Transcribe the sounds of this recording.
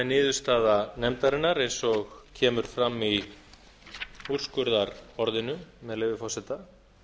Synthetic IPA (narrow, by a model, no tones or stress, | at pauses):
nːɪːðʏst̪aːðanɛmt̪aɾɪnːaɾejnsɔɣcʰɛːmʏɾ̥fɾamːi | ur̥skʏɾðaɾ̥ɔɾðɪnʏmɛðlejvɪfɔrsɛt̪a